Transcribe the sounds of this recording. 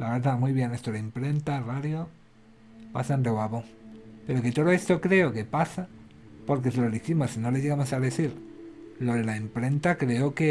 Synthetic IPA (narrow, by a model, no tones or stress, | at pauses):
laβeɾðamujβje̞nest̪oðeempɾe̞nt̪araðjo | pa̰saend̪eβwaβoŋpe̞ɾo̞ke̞t̪o̞ðoe̞st̪o̞kɾe̞oke̞pasa | po̞ɾk̬e̞seloðiximosino̞leʝeɣamosaðe̞θiɾloðelaempɾe̞nt̪akɾeoke